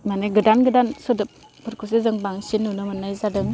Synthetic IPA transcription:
manɯɡɯdanɡɯdansɔdɯp | pʰɯɾkʰus̬ezɯŋbaŋsinːunɯmanːajzadɯŋ

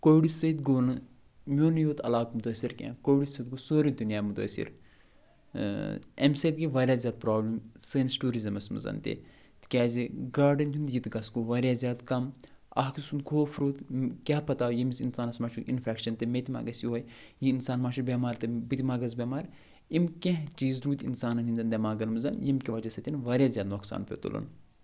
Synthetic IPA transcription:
koɽisɐit̪̚ɡoːnɨ | mʲoːnjoːt̪ɐ̰laːkmut̪oːsiɾkʲã̰ːkoɽisɐt̪̚ɡosoːɾid̪unjaːmut̪o̰ːsḭɾ | ḛmsɐd̪̚ɡiʋaːɾjaːzʲjaːd̪̚pɾaːblɐmsəːnsʈuːɾizɐmɐsmɨ̰zɐ̰nt̪ḛ | t̪kʲaːziɡaːɾɖɐnʲt̪ʰʲund̪jit̪ɡɐsɡoʋaːɾjaːzʲaːd̪kɐm | ɐ̰ɦkisunkʰoːfʰɾuːt̪kʲaɦpɐt̪aːjimisinsaːnɐsmaːʃuinfʰʲɛːkʃɐnt̪ɨmet̪ʲima̰ːɡɐsjiɦojjiinsaːnmaːʃubʲeːmaːɾt̪ɨbɨt̪ʲimaːɡɐz̬bʲeːmaːɾ | imkʲẽɦt͡ʃiːzɾuːt̪ʲinsaːnɐnʲɦind̪ɐnd̪ʲɐmaːɡɐlmɨzɐnjimkʲiʋɐd͡ʒɐsɐt̪ʲinʋaːɾʲjaːzʲjaːd̪noksa̰ːnpʰʲḛt̪ṵlṵn

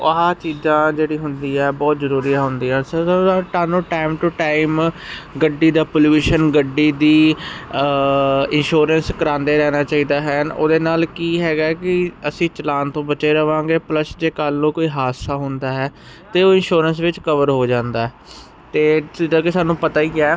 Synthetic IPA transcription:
əɦãːt͡ʃiːzãːd͡ʒeːɽiːɦʊnd̪iːɛːbɔːt̪zəɾuːɾiːaːɦʊnd̪iːãːsəaʈaːnũːʈaːɪmʈuːʈaːɪmɡəɖːiːd̪aːpoljuːʃənɡəɖːiːd̪iː | ɪnʃuːɾənskəɾãːnd̪eːɾɛːnaːt͡ʃaːiːd̪aːɦɛno̰ːd̪eːnaːlkiːɦɛːɡaːkɪəsĩːt͡ʃəlaːnt̪õːbət͡ʃeːɾəʋãːŋɡeːpləsd͡ʒeːkalnõːkoːiːɦaːsaːɦʊnd̪aːɦɛː | t̪eːoːɪnʃuːɾəns̬ʋɪt͡ʃkəʋəɾɦoːd͡ʒãːnd̪aːɦɛː | t̪eːt͡ʃɪd̪aːkesaːnũːpət̪aːiːɛː

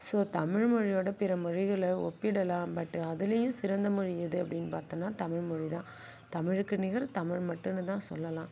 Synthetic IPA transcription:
soːt̪ɐmɪɻmɔɻɪjoːɽɐpɪɾɐmʊɻɪɣɐɭɔpːɪɽɐlãːpɐʈːɯɐðɯlɐjɯ̃sɪɾɐnd̪ɐmʊɻɪjɐðɯɐpːɐɽɪnːpaːɾt̪ɯnːaːt̪ɐmɪɻmɔɻit̪ãː | t̪ɐmɪɻɯkːɯnɪɣɐɾt̪ɐmɪɻmɐʈːɯnːɯt̪ãːsɔ̰lːɐlãː

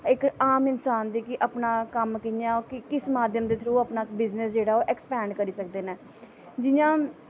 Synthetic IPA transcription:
ɪkaːmɪnsaːnd̪iːkɪʔəpnaːkəmkɪnjãːkɪkɪsmaːd̪ʱjəmd̪eːt̪ʰəɾuːəpnaːbɪznəsd͡ʒeːɽaːoːʔɛkspɛːɳɖkəɾiːsəkd̪eːnɛː | d͡ʒɪjãː

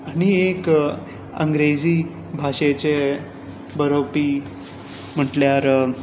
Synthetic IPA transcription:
añiek | ə̰ŋɡɾed͡ziː | bʱaʂet͡ɕe | bəɾopiː | m̤əʈljaɾ

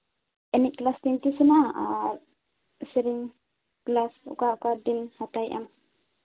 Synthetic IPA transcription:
ʔɛniʔ̚klast̪iŋt̪isəna | səɾiŋ | klasṵkaukadinhat̪ajʔa̰m

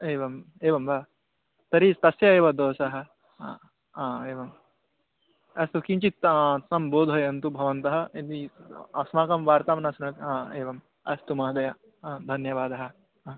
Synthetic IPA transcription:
eːʋɐm | eːʋɐmba | t̪ɐɾist̪ɐsjɐeːʋɐd̪oːsɐɦɐ̆ | aːeːʋɐm | ɐst̪ukint͡ʃit̪ːsɐmboːd̪ʱɦɐjɐnt̪ubʱɐʋɐnt̪ɐɦɐ̆ɐt̪iɐsmaːkɐmʋaːɾt̪aːmɐnɐsnɐt̪aeːʋɐm | ɐ̰st̪umɐɦɐd̪ɐjɐ | d̪ʱɐnjɐʋaːd̪ɐɦɐ̆

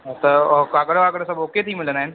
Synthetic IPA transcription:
t̪ɐkaːkəɽaːkəɽsɐ̃boːket̪ʰimɪlənaːɦɪnɪ̆

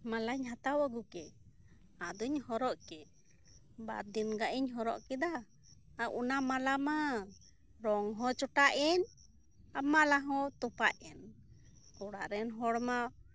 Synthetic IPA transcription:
malaɲɦat̪awaɡukɛ | ad̪uɲhɔɾɔʔkɛ | ba̰d̪inɡaʔiɲɦɔɾɔ̰ʔkɛd̪aː | ʔunamalama | ɾɔŋɦɔ̃t͡ʃɔʈaʔɛn | amaʔlaɦɔ̃t̪ɔpaʔɛn | kɔɽaʔɾɛnɦɔɽma

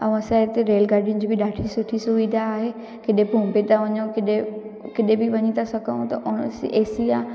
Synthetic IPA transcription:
ɐũɐsãet̪eɾeːlɡaːɾɖijʊnɪ̆d͡ʑiːbɪɗaːʈʰisʊʈʰisʊʋid̪ʱaːɦe | kɪɗẽpõːmpet̪aʋɐɲõkɪɗekɪɗẽbɪʋɐɲit̪ʰasɐɡʱəũt̪ɐʔʊɽ̃seːsiaː

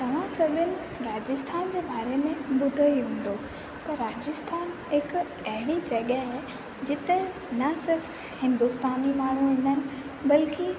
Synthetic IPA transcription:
t̪ɐʋ̤ãsɐbʱʊnɪ̆ | ɾaːd͡ʑɪst̪ʰaːnd͡ʑeːbaːɾemẽbʊd̪ʱəiɦẽːn̆d̪o | t̪ɐɾaːd͡ʑəst̪ʰaːn | ɦɪk | ɐɦɪɽid͡ʑɐɠəɦe | d͡ʑɪt̪e | nɐsɪɾf | hɪ̃nd̪ust̪aːnimaːɳ̤uʋẽːn̆d̪ənɪ̆ | bɐlkɪ

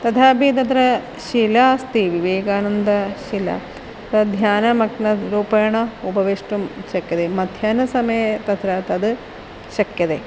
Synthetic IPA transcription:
t̪ɐt̪ʰaːbʱit̪ɐt̪ɾɐ | ʃilast̪iʋiʋeːɡaːnɐnd̪ɐʃilɐ̰ | t̪ɐd̪ʱjaːnɐmɐknɐɾuːpɐjɐɳɐubɐʋiʂʈumʃɐkjɐd̪emɐd̪ʱjaːnɐsɐmɐjɐt̪ɐt̪ɾɐt̪ɐd̪ɨ | ʃɐkjɐd̪e

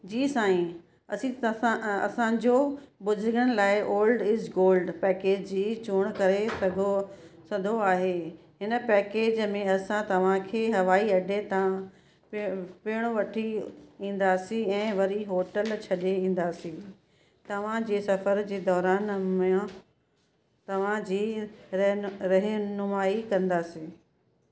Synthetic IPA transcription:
d͡ʑiːsãːĩ | ɐsĩãɐ̰sãd͡ʑobʊzʱɾɡəɽ̃ɪlaːɪʔoːlɖɪzɡoːlɖpɛːkeːd͡ʑd͡ʑiːt͡ɕuːɽ̃kɐɾesɐɡʱo | sɐd̪ʱoaːɦe | ɦɪnə̆pɛːkeːd͡ʑmẽɐsãt̪ɐʋ̤ãkʰeːɦɐʋaːiɐɖʱet̪ã | pɪːɪɽ̃oʋɐʈʰiĩːn̆d̪aːsĩɛ̃ːʋɐɾiɦoːʈəlt͡ɕʰɐɗeĩːn̆d̪aːsĩ | t̪ɐʋ̤ãd͡ʑeːsɐfəɾd͡ʑeːd̪ɔːɾaːnmẽ | t̪ɐʋ̤ãd͡ʑiːɾɐɦɾɐɦnʊmaːikɐ̃nd̪aːsĩː

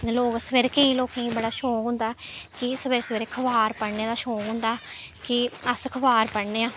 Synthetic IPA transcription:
loːksʋeɾkẽĩːloːkẽːĩbəɽaːʃɔːkɦʊ̃nd̪aːkɪsʋeɾsʋɪɾekʰəʋaːɾpəɽneːd̪aːʃɔːkɦʊ̃ːnd̪aːkɪəskʰəbaːɾpəɽneːãː

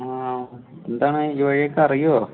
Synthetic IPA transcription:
aːend̪aːɳɨiʋɐɻijekːɐɐrijo

